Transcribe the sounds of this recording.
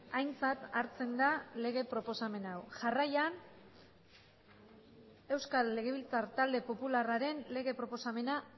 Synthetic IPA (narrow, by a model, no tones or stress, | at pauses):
ajnt͡sat̪aɾt͡se̞nd̪ale̞ɣ̞e̞pɾo̞po̞same̞nawʝarajan | e̞wskalːe̞ɣe̞β̞ilt͡saɾt̪ald̪e̞po̞pularaɾe̞nle̞ɣe̞pɾo̞po̞same̞na